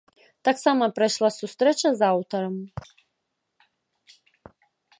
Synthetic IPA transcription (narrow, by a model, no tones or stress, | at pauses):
t̪aksamɐpɾajʂlˠasust̪ɾɛt͡ʃɐzawt̪ɔɾɐm